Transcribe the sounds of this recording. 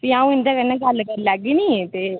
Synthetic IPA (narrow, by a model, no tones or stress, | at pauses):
biãːũːɪ̃nd̪aːkəɾnãːɡəlːkəɾlɛːɡiːnĩːt̪eː